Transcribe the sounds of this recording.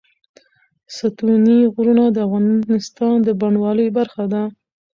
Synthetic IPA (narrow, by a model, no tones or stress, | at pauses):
sat̪uniɣɾunad̪əafɣɑnnɪst̪ɑnd̪əbaɳwɑləjbaɾxad̪a